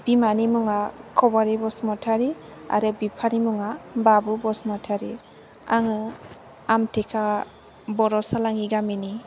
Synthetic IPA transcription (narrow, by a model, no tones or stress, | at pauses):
b̥imanimuŋakʰɔbaɾibɔsmɔtʰaɾia̰ɾɯbipʰanimuŋababubɔsmɔtʰaɾi | a̰ŋɯ | amtʰekʰa | bɔɾɔsalaŋiɡamini